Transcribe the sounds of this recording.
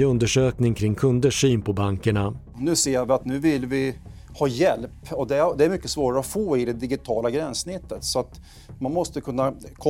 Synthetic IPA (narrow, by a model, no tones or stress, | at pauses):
ɵnd̪əʂøːknɪŋkʰɾɪŋkʰɵnd̪əʂyːnpʰɔbaŋkəɳa | nʉ̟ːseːvɪat̪nʉ̟ːvɪlvɪ | hɑːjɛlpɔd̪ɛd̪ɛæɾmʏkːəsvoːɾaɾəɔfoːɪd̪ɛd̪ɪɡɪt̪ʰɑːlaɡɾɛnsnɪt̪ːət̪sɔat̪ | manmɔst̪əkʰɵnːakʰɔ